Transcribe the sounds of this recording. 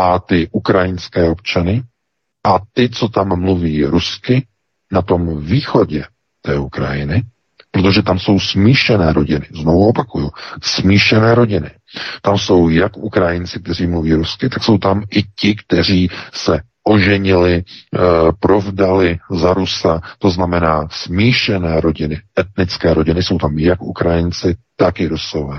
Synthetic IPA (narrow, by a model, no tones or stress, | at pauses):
ʔat̪ɪʔukɾajɪnskɛːo̞pt͡ʃanɪ | ʔat̪ɪt͡so̞t̪amːluviːɾuskɪ | nat̪o̞mviːxo̞ɟɛ | t̪ɛːukɾa̰jɪnɪ | pɾot̪o̞ʒɛt̪amso̞wsmiːʃɛnɛːɾo̞ɟɪnɪzno̞vuopakujusmiːʃɛnɛːɾo̞ɟɪnɪ | t̪amso̞wjakʔukɾajɪnt͡sɪkt̪ɛr̝iːmluviːɾuskɪt̪akso̞wt̪amɪcɪkt̪ɛr̝iːsɛ | ʔo̞ʒɛɲɪlɪ | pɾo̞vdalɪzaɾusat̪o̞znamɛnaːsmiːʃɛnɛːɾo̞ɟɪnɪʔɛt̪nɪt͡skɛːɾo̞ɟɪnɪso̞wt̪amjakʔukɾajɪnt͡sɪt̪akɪɾuso̞vɛː